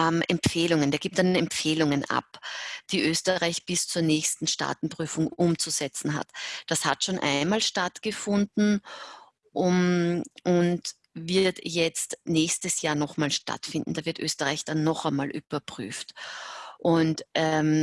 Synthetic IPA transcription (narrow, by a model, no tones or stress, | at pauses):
mʔɛ̰mfeːlʊŋənd̥aɐɡiːp̚tdanɛmpfeːlʊŋənʔa̰pd̥iːʔøːstəʁaɪçb̥ɪst͡suːɐnɛːçstn̩ʃta̰ːtn̩pʁ̥yːfʊŋʔʊmt͡suz̥ɛt͡sn̩ɦa̰td̥ashatʃoːnʔa̰ɪnmaːlʃtatɡ̥əfʊndn̩ | ʔʊmʔʊnt | vɪɐtjɛt͡stnɛːçstəsjaːɐnɔχmaːlʃta̰tfɪndn̩d̥aːvɪɐtʔøːstəʁaɪçd̥anːɔχamaːlʔy̰b̥ɐpʁ̥y̰ːft | ʔʊntʔɛm